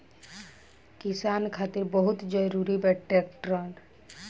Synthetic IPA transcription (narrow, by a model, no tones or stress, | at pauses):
kɪsaːnkʰaːt̪ɪɾbəɦʊt̪d͡ʒəɾuɾibɛʈːekʈɾɔn